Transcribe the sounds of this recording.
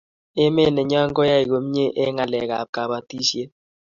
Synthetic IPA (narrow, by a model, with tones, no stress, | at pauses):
e˦me˦˨nɛ˨ɲɔ˦ŋ˦ɡɔ˦ja˦i˨ko˨˦m˦ɲe˦ʔe˦ŋa˨lɛ̰˨ka̰˨p̚ka˨ba˨ti˦sje˦